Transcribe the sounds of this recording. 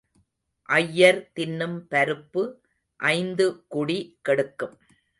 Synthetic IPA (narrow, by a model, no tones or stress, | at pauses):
ʔɐjːɐɾt̪ɪnːɯmpɐɾɯpːɯ | ʔɐɪnd̪ɯkʊɽikɛɽɯkːɯm